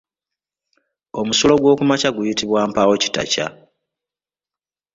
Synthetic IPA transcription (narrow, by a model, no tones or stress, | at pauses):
o̞musolo̞ɡwo̞ːkumacaɡujitiβwaːmpaːwo̞ci̥ta̰ca̰